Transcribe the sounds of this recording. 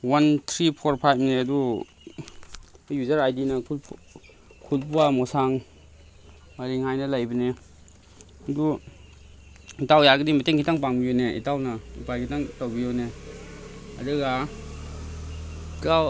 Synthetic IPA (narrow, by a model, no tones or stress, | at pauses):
want̪ʰɾipʰɔɾpʰajpneadu | juzaɾajdinɐkʰul | kʰulpuwamɔsaŋ | maɾiŋhajnalajbine | ɐdu | itawjaɡɯdimɐteŋkʰitaŋpaŋbijoneḭtawnaipajkʰitaŋtawbijone | adɯɡa | kaw